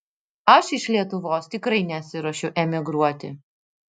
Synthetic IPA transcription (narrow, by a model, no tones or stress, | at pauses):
ɐʃɪʃlʲiɛt̪ʊʋoːst̪ʲɪkɾɐɪnʲɛt̪sʲɪɾɐʃʲɛʊʔɛmʲɪɡɾuɔt̪ʲɪ̰